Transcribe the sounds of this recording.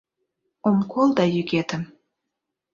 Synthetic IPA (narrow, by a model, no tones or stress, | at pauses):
omkʰolˠd̪ɑjyɣet̪əm